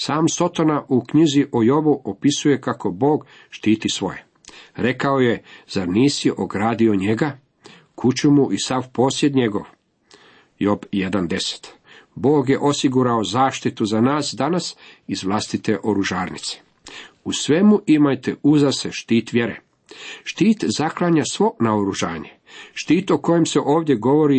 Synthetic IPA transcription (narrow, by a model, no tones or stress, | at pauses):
saːmso̞t̪onaʔukɲiziʔojo̞buʔopisuje̞kako̞bo̞ːɡ | ʃt̪iːt̪isʋo̞̰je̞ | ɾe̞kao̞jezaɾniːsiʔoɡɾaːd̪io̞ɲe̞ɡa | kʰut͡ɕumuʔisaʋpo̞ːsje̞d̪ɲe̞ɡo̞ʋ | jo̞bjed̪and̪e̞se̥t̪ | bo̞ːɡjeʔo̞siɡuɾao̞zaːʃt̪it̪uzanaːsd̪anasizʋlˠast̪it̪e̞ʔoɾuʒaːɾnḭt̪se̥ | usʋe̞muʔimajt̪euzaseʃt̪iːt̪ʋjeɾḛ | ʃt̪iːt̪zaklˠaːɲasʋo̞naoɾuʒaːɲḛ | ʃt̪iːt̪oko̞je̞mse̞ʔo̞ːʋd̪je̞ɡo̞ʋo̞ɾi